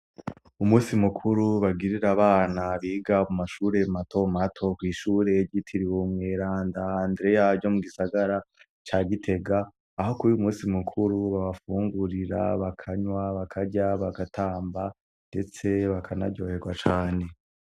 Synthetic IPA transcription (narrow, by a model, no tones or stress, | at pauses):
umuːsimukʰuɾuβaɡiɾiɾaβaːnaβiːɡamumaʃuːɾe̞mato̞matʰo̞kwiːʃuːɾe̞ɟitʰiɾiwomŋe̞ːɾaːndaːndɾe̞jaɟo̞muɡisaɡaɾa | t͡ʃaːɡitʰe̞ɡaː | ho̞kuijumuːsimukʰuɾuβaβafuːŋɡuɾiɾa̰βakʰaɲwaβakʰaɟaβaɡatʰaːmba | nde̞t͡se̞βakʰana̰ɟo̞ːhe̞ɡwat͡ʃaːne̞